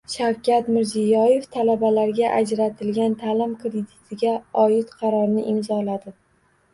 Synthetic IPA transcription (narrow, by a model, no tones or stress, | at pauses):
ʃawkʲat̪mɪɾzijɒje̞ft̪ʰalabalaɾɡʲaʔad͡ʒɾat̪ʰɪlɡʲant̪ʰalɪmkɾed̪it̪ʰɪɡʲaɒjɪt̪qʰɑɾɒɾnɪʔɪmzɒlad̪ɪ